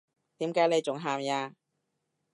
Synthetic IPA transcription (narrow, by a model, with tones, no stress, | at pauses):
t̪iː˨˥mkaː˨˥jne˨˧jt͡sʊ˨˥ŋɦaː˨mjaː˧